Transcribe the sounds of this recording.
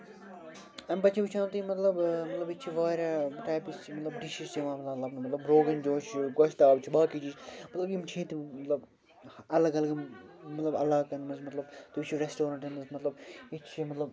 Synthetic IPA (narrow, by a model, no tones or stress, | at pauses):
ɐnpɐt͡ʃʰiʋit͡ʃʰãːnt̪imɐt̪lɐbmɐt̪lɐbit͡ʃʰiʋaːɾʲaʈaːjpist͡ʃʰimɐt̪lɐbɖiʃist͡ʃiʋãːmɐt̪lɐt̪lɐbnmɐt̪lɐbɾoːɡɐnd͡ʒoːt͡ʃʰɡɐʃt̪aːbt͡ʃʰibaːkit͡ʃiːt͡ʃmɐt̪lɐbjimt͡ʃʰiːt̪mɐt̪lɐb | ɐlɐɡɐlɐɡmɐt̪lɐbɐ̰laːkɐnmɐzmɐt̪lɐbt̪ut͡ʃʰiɾesʈoːɾɐɳʈɐnɐzmɐt̪lɐbit͡ʃʰimɐt̪lɐb